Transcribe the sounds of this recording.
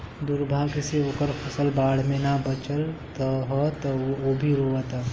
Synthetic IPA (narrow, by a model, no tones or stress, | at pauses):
d̪uːɾbʱaːɡɪseoːkəɾfʰɐsəlbaːɽ̤mẽnabət͡ʃəlt̪əɦɔt̪oːbʱiɾoːət̪a